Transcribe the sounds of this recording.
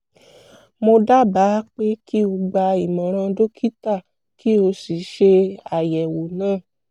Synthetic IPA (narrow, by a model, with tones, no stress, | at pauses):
mo˧da˦ba˨˦k͡pe˦ki˦o˧ɡ͡ba˧i˨mɔ̃˨ɾ̃ã˧do˦kʰi˦ta˦˨ | ki˦o˧si˨ʃe˧a˨jɛ˨wo˨nãː˦˨